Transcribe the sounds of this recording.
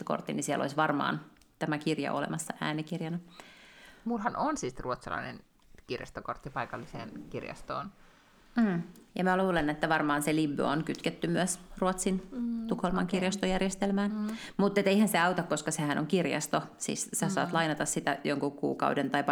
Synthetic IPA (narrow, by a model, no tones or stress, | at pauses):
ko̰rt̪ːinisiɛ̰lo̰isʋɑrmɑ̰ːn | t̪æmækirjɑ̰ʔolḛmɑsːɑʔæ̰ːnikirjɑnɑ | mulhɑnonsiːsruot̪sɑlɑ̰inḛn | kirjɑ̰st̪okort̪ːipɑikɑlːisḛːnkirjɑ̰st̪o̰ːn̩ː | jɑmæluːlenːet̪ːæʋɑrmɑːnselibːø̰onkyt̪ket̪ːymyæsruot̪sint̪ukholmɑŋkirjɑst̪ojærjest̪elmæːnmut̪ːet̪eihænseɑut̪ɑkkoskɑsehænʔo̰ŋkirjɑ̰st̪osḭːssæsɑ̰ːt̪lɑinɑt̪ɑssit̪æjoŋkukṵːkɑ̰udent̪ɑip